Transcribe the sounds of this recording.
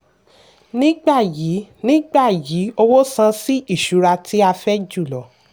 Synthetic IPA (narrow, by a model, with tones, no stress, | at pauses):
nĩ˦ɡ͡ba˦˨ji˨˦nĩ˦ɡ͡ba˦˨jiː˨˦o˧wo˦sã˧˦si˦i˦˨ʃu˨˦ɾa˧tʰi˦a˧fɛ˦d͡ʒu˦˨lɔ˨